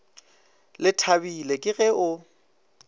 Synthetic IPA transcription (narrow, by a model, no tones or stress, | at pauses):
lɪtʰabilekʼɪɣɛʔʊ